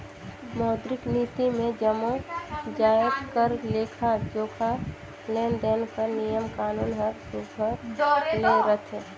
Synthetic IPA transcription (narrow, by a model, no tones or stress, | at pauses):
mɔːd̪ɾɪkniːt̪imẽd͡ʒəmod͡ʒaːd̪kəɾleːkʰad͡ʒoːkʰa | leːnd̪eːnkəɾnijəmkaːnuːnɦəɾsuːpəɾileɾət̪ʰẽ